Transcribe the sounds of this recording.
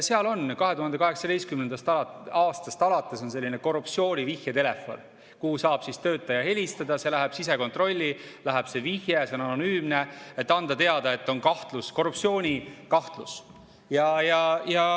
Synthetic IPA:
seɑlo̞nkɑɦeuɦɑnd̪ekɑɦe̞ksɑd̪e̞jskymnend̪ɑst̪ɑlɑɑːst̪ɑst̪ɑlɑt̪ːˑeso̞nse̞lʲːine̞ko̞rːupt̪sio̞ːnʲivihjet̪e̞le̞fo̞̰n | kuːsɑːb̥sist̪ø̞ːt̪ːˑɑjɑɦe̞lʲist̪ɑd̪ɑse̞læɦɛb̥sis̬e̞ko̞nt̪ro̞lʲːilæɦɛb̥se̞vihjese̞o̞nɑno̞nyːmne̞et̪ːɑnd̪ɑt̪e̞ɑd̪ɑe̞t̪ːˑo̞nkɑht̪lusko̞rːupsio̞ːnʲikɑht̪lus | jɑjɑjɑ

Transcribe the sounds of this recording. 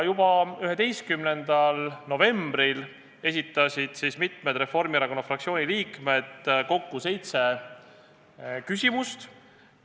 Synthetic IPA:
jub̥ɑyɦe̞d̪e̞jskymne̞nd̪̥ɑlno̞ve̞mb̥ɾil | e̞sʲit̪ːˑɑsid̪̥sismit̪ˑmed̪̥re̞fo̞rmieɾɑko̞nːɑfrɑkt̪sio̞ːnʲiliːkme̞d̪̥ko̞kːuse̞jt̪se̞ | kysʲimust̪

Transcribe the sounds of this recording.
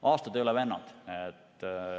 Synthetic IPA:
ʔɑːst̪ɑt̪eolɛvenːɑ̰t̪et̪ː

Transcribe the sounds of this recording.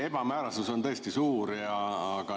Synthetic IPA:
e̞b̥ɑmæːɾɑsuso̞nt̪ɤ̞est̪isuːɾjɑːɡ̥ɑ

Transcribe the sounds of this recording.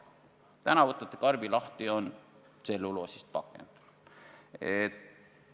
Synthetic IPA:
t̪ænɑvot̪ːˑɑt̪ːˑekɑrbilɑht̪io̞n | selːulosist̪̚pɑkːˑḛnd̪̥u̥ | et̪

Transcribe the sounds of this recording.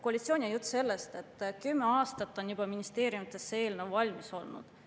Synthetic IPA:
ko̞ɑlʲit̪sioːnʲiɑjut̪ːse̞lːest̪e̞t̪ːˑkymːeɑːst̪ɑt̪ːˑo̞njubɑminist̪e̞ːɾjumit̪ˑːe̞sːee̞ːlnevvɑlʲmiso̞lnṵd̪̥

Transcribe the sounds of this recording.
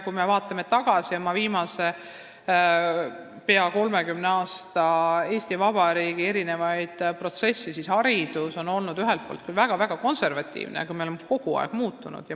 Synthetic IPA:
kujme̞vɑːt̪ːˑɑmet̪ɑɡ̥ɑsiomːɑviːmɑse̞ | pe̞ɑko̞lme̞kymneɑːst̪ɑe̞ːsʲt̪ivɑb̥ɑɾiːɡ̥ie̞ɾine̞vɑjd̪̥pro̞t̪se̞sːisishɑɾid̪̥uso̞no̞lnud̪yɦelt̪̚po̰ːlt̪̚kylvæɡ̥ɑvæɡ̥ɑko̞nse̞rvɑt̪ʲːˑḭːvnḛkujmeolemeko̞ɡ̥uɑ̰ḛɡ̥muːt̪ːˑunṵd̪̥jɑ

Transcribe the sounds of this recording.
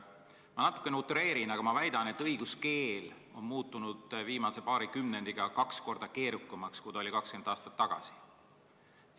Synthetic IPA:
mɑnɑt̪ːˑu̥kːˑe̞neut̪ːˑɾe̞ːɾinɑɡ̥ɑmɑvæjd̪̥ɑne̞t̪ːˑɤjɡ̥uske̞ːl | o̞nmuːt̪ːˑunud̪̥viːmɑse̞pɑːɾikymne̞nd̪̥iɡ̥ɑkɑksko̞rd̪̥ɑke̞ːɾukːˑɑmɑkskujd̪ɑo̞lʲikɑkskend̪̥ɑːst̪ɑ̥t̪ːɑɡ̥ɑ̰si̥

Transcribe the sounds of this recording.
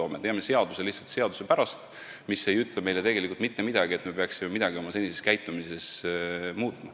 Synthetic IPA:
o̞ːmet̪eɑme̞se̞ɑd̪̥uselihsːɑlt̪seɑd̪̥u̥se̞pæɾɑst̪ | misːe̞jyt̪ˑleme̞jlet̪e̞ɡ̥e̞likult̪mit̪ːe̞mid̪̥ɑɡie̞t̪me̞peɑksime̞mid̪ɑɡio̞mɑse̞nʲise̞skæjt̪ˑːumise̞smuːt̪ˑmɑ

